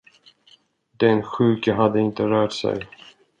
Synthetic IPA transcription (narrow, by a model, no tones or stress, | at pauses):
d̪ɛnɧʉ̟ːkəɦad̪ːəɪnt̪əɾœːʈsɛ̰j